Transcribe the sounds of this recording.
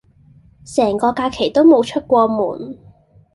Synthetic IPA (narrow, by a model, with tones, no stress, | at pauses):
sɛː˨˩ŋkɔː˧kaː˧kʰe˨˩jt̪o˥wmo˨˧wt͡ʃʰɵ˥t̚kʷɔː˧muː˨˩n